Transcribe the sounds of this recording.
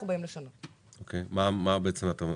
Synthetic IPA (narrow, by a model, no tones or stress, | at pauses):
ubaimleʃanot | okʰejmamabeet͡semat̪am